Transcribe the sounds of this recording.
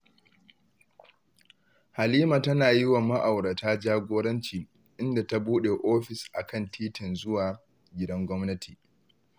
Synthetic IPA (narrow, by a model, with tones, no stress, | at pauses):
ha˨liː˦maː˨tɐ˦naː˨jɪ˦wa˨mɐ˦ʔa˨wɽa˨taː˦d͡ʒaː˦ɡʷoː˦ɽɐ˦nt͡ʃiː˨ | ʔɪ˦nda˨ta˦buː˦ɗeː˨ʔoː˦ɸɪ˨sʔa˨kɐ˦˨ntʰiː˦tɪ˨nzʊ˦waː˨ | ɡʲɪ˦dɐ˦ŋɡʷɔ˦mnɐ˦tʰiː˨